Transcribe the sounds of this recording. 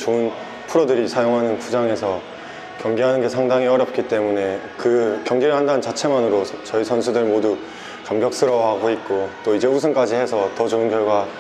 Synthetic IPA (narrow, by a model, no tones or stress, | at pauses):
t͡ɕoɯn | pʰuɾodɯɾisʰajoŋɦanɯnkud͡ʑaŋe̞sʰʌ | kjʌŋɡiɦanɯnɡe̞sʰaŋdaŋiʌɾjʌp̚k͈it͈e̞mune̞ | kɯkjʌŋɡeɾɯɭɦandanɯnt͡ɕat͡ɕʰe̞manɯɾot͡ɕʌisʰʌnsʰudɯɭmodu | kamɡjʌk̚s͈ɯɾʌwɦaɡoit̚k͈ot͈oid͡ʑe̞us̬ʰɯnk͈ad͡ʑihe̞sʰʌtʌt͡ɕoɯnkjʌɭɡwa